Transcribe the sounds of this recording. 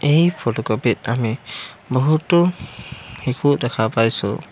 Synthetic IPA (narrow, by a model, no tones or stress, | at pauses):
ejpʰɔtɔkɔpit̚amibɔɦutːɔ | hikʰuʔdɛkʰapajsṵ